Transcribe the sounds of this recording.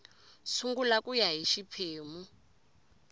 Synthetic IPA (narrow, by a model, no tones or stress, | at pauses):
suŋɡulakujaɦiʃipʰeːmu